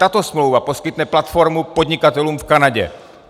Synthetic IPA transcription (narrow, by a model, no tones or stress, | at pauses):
t̪at̪osmlowvaposkɪt̪nɛplat̪foɾmupod̪ɲɪkat̪ɛluːmfkanaɟɛ̰